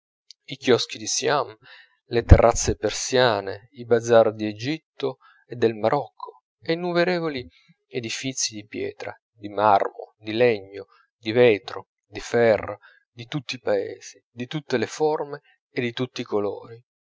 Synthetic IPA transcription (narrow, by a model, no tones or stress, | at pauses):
ikjɔsk̟id̪isjam | let̪ɛrːʔat̪sːepersjaːne | ibad̪zard̪ied͡ʒit̪ːo | ed̪ːelmaɾʔɔkʰːo | einːumeɾeːvoli | ed̪ifit̪sːid̪ipjɛ̰ːt̪ɾa̰ | d̪imarmo̰d̪ilɛɲːo | d̪ivɛːt̪ɾo̰ | d̪ifɛrːa | d̪it̪ut̪ːipaḛːz̥id̪it̪ut̪ːeleformeː | d̪ːit̪ut̪ːikolo̰ːɾi